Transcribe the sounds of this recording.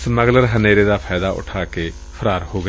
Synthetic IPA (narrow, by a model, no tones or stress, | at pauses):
sməɡləɾɦəneːɾeːd̪aːpʰaːjd̪aːʔʊ̰ʈʰaːkeː | pʰəɾaːɾhoːɡ